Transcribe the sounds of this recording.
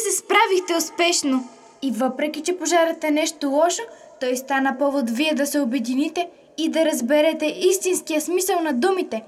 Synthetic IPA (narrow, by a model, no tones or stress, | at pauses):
sɛspɾavixt̪ɛʊspɛʃno | ivəpɾɛk̟ʲit͡ʃɛpoʒaɾɐt̪ɛnɛʃt̪olˠɔʃo | t̪ɔjst̪anəpɔvot̪viɛd̪ɐsɛobɛd̪init̪ɛ | id̪ɐɾɐzbɛɾɛt̪ɛʔist̪inskijəsmisəlˠnɐd̪umit̪ɛ